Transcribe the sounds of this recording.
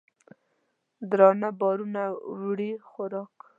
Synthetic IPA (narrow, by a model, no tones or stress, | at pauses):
d̪ɾɑnabɑɾunawɽixʊɾɑk